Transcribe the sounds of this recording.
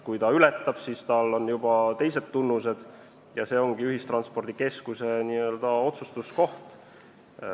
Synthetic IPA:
kujt̪ɑylɛt̪ːˑɑb̥sist̪ɑlːo̞njub̥ɑt̪e̞jse̞d̪̥t̪unːuse̞d̪̥ | jɑse̞ːo̞ŋɡ̥iyɦist̪rɑnspo̞rd̪ike̞skuseniø̞ːld̪̥ɑo̞t̪sust̪usko̞ht̪

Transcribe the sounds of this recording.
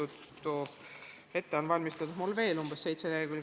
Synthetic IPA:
ut̪ | t̪ːo | he̞t̪ːeonvɑlʲmist̪ɑd̪u̥mulve̞ːlumb̥essejt̪seleɡylʲ

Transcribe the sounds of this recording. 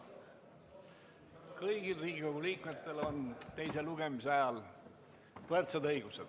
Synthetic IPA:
kɤjɡ̥ilriːɡiko̞ɡuliːkmet̪ːˑe̞lo̞nt̪ejse̞luɡ̥e̞miseɑjɑl | pɤrt̪sed̪ɤjɡuse̞d̪̥

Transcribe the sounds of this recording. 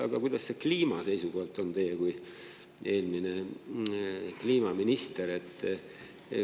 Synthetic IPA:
ɑ̰ɡ̥ɑkujd̪̥ɑsːe̞kliːmɑse̞jsuko̞hlt̪ːˑo̞nt̪e̞jːekuj | e̞ːlmine̞ | kliːmɑminist̪e̞ɾe̞t̪ːˑ

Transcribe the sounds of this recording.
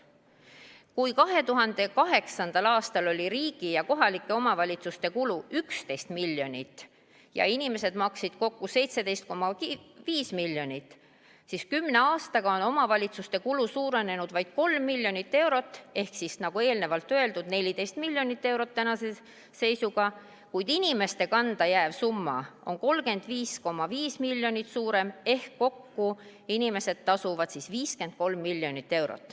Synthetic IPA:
kujkɑɦe̞t̪uɦɑnd̪̥e̞kɑɦe̞ksɑnd̪̥ɑlɑːst̪ɑlo̞lʲiɾiːɡ̥ijɑko̞ɦɑlikːˑe̞o̞mɑvɑlʲit̪sust̪e̞kuluykst̪e̞jst̪milːjo̞nʲit̪ːˑ | jɑ̰inime̞se̞d̪̥mɑksid̪̥ko̞kːuse̞jt̪se̞d̪e̞jst̪̚ko̞mːɑiviːsmiljo̞nʲit̪ːˑ | siskymːne̞ɑːst̪ɑɡ̥ɑo̞no̞mɑvɑlʲit̪sust̪e̞kulusuːɾe̞ne̞nud̪̥vɑjd̪̥ko̞lmːilʲjo̞nʲit̪ːe̞wɾo̞t̪ːˑe̞hksisnɑɡ̥ue̞ːlne̞vɑlt̪ːø̞e̞ld̪ud̪̥ne̞lʲid̪e̞jst̪milʲːjo̞nit̪ːe̞wɾo̞t̪ːænɑse | se̞jsuɡ̥ɑ | kujd̪̥inʲime̞st̪e̞kɑnd̪̥ɑjæːvsumːɑ̰o̞̰nko̞lɡe̞nd̪̥viːsko̞mːɑviːsmilʲjo̞nʲit̪suːɾe̞me̞hkːo̞kːu | inime̞se̞d̪̥̚t̪ɑsuvɑd̪̥sisviːske̞nd̪̚ko̞lmːilʲjo̞nit̪ːe̞wɾo̰t̪ˑː

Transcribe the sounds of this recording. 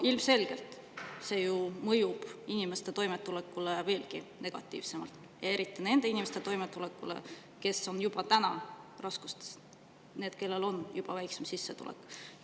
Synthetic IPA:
ilmse̞lɡ̥e̞lt̪ˑ | se̞ːjumɤjub̥inimest̪e̞t̪o̞jmet̪ːˑulekːˑuleve̞ːlɡ̥ine̞ɡ̥ɑ̰t̪ːˑḭːvse̞mɑ̰lt̪ | jɑe̞ɾit̪ːˑine̞nd̪e̞inime̞st̪et̪o̞jmet̪ːˑulekːˑulḛ | ke̞sːo̞njub̥ɑt̪ænɑrɑsku̥st̪e̥s | ne̞ːd̪̥ke̞lːe̞lo̞njub̥ɑvæjksemsisːe̞t̪ṵlḛk

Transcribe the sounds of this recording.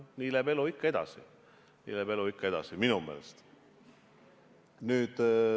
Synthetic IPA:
niːlæbe̞luikːɑe̞d̪̥ɑ̰sḭ | nḭːlæbe̞luikːɑe̞d̪̥ɑ̰siminume̞̰ːlest̪ | nyːd̪̥

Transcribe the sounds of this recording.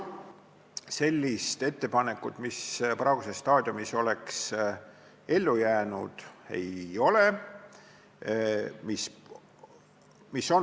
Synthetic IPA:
se̞lʲːist̪e̞t̪ːe̞pɑne̞kːˑut̪ːˑmisprɑːɡ̥usest̪ɑːd̪̥ʲjumiso̞le̞ks | e̞lːujæːnud̪̥e̞̰jo̞le | mis | misːo̞n

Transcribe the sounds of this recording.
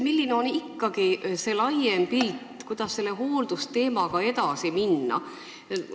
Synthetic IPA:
milːineo̞nikːɑɡ̥ise̞lɑjempilt̪kujd̪̥ɑsse̞lːeɦo̞ːld̪̥ust̪e̞ːmɑɡ̥ɑe̞t̪ɑsiminːɑ̰

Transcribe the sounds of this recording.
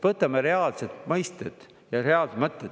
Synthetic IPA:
vɤt̪ːˑɑmeɾe̞ɑlset̪mɤjst̪ed̪̥ | jɑɾeɑlst̪mɤt̪ˑːe

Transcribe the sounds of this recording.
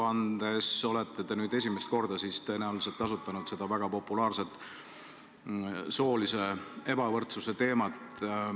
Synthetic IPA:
ɑnd̪̥e̞so̞let̪ːˑe̞t̪e̞nyːd̪e̞s̬ʲimest̪̚ko̞rd̪̥ɑsist̪ɤnɑlselt̪ːˑɑsut̪ːˑɑnud̪se̞d̪ɑvæɡ̥ɑpo̞pːˑulɑːrse̞t̪ˑ | so̞ːlise̞e̞b̥ɑvɤrt̪suse̞t̪e̞ːmɑt̪

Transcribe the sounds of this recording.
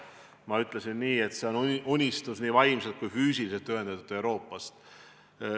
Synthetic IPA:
mɑyt̪ˑlesinːiːe̞t̪se̞o̞nunʲːist̪usniːvɑjmset̪̚kujfyːsiliselt̪ːøɦend̪̥ɑt̪ːud̪̥e̞wɾo̞ːpːˑɑst̪

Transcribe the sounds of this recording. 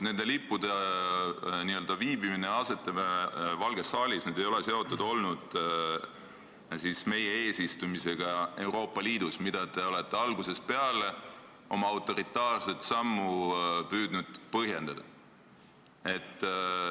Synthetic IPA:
ne̞nd̪̥e̞lipːˑud̪̥e | niø̞ld̪̥ɑviːbimine̞ɑse̞t̪ːˑevɑlɡ̥e̞sɑːlʲisneːd̪ejo̞le̞se̞o̞t̪ːˑud̪̥o̞lnud̪̥ | sisme̞jee̞ːsist̪umise̞ɡ̥ɑe̞uɾo̞ːpːˑɑliːd̪usmid̪̥ɑt̪e̞o̞le̞t̪ːe̞ɑlɡuse̞spe̞ɑle̞ | o̞̰mɑɑwt̪ːˑo̞ɾit̪ːˑɑːrset̪sɑmːupyːd̪̥nud̪̥pɤɦje̞nd̪̥ɑd̪̥ɑ | e̞t̪ː

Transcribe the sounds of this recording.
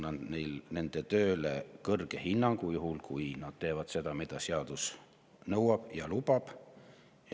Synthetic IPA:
nɑnd̪nejlne̞nd̪̥et̪ø̞ːlekɤrɡ̥e̞hinːɑŋɡ̥ujuɦulkujnɑd̪̥̚t̪e̞ːvɑd̪̥se̞d̪̥ɑmid̪̥ɑseɑd̪̥us | nɤwɑb̥jɑlub̥ɑb̥

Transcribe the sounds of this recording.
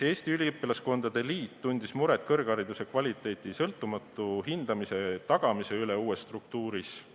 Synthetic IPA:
e̞ːsʲt̪iylʲiɤpːˑilɑsko̞nd̪̥ɑd̪e̞liːt̪ːunʲd̪̥ismuɾet̪ˑkɤrɡ̥ɑɾid̪use̞kvɑlʲit̪ːˑe̞ːt̪ˑisɤlt̪ːˑumɑt̪ːˑuɦind̪̥ɑmise̞t̪ɑɡ̥ɑmise̞yleuːe̞sːt̪ruk̚t̪uːɾis

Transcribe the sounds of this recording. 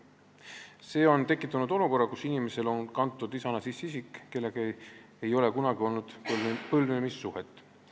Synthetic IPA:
se̞ːo̞nt̪e̞kːˑit̪ːˑɑnud̪̥o̞luko̞rːɑkusinime̞se̞lo̞nkɑnt̪ːˑud̪isɑnɑsisːisikkːe̞lːe̞ɡ̥ | ejo̞le̞kunɑɡ̥io̞lnud̪̥pɤlnemisːuhet̪ːˑ

